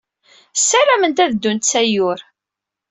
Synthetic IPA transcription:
sːæɾæmənt̪æðd̪ːunt̪t͡sːæjʊɾ

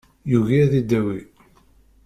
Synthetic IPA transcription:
juʝiðid̪æwi

